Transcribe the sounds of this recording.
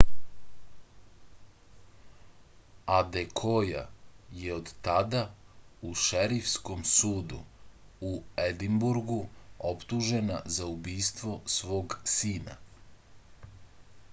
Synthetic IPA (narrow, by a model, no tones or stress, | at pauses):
ad̪e̞kʰoja̰jeod̪t̪ad̪a | uʃeɾifsko̞msuːd̪ṵ | ued̪imbuɾɡuopt̪uʒe̞na̰zaubiːst̪ʋo̞sʋo̞ːɡsiːna̰